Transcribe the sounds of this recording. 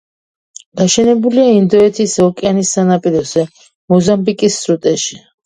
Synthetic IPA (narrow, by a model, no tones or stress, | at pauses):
d̪̥aʃɛnɛbuliaind̪ɔɛt̪ʰisɔkʼɛanisːanapʼiɾɔzɛ | mɔzambikʼisːɾut̪ʼɛʃi̥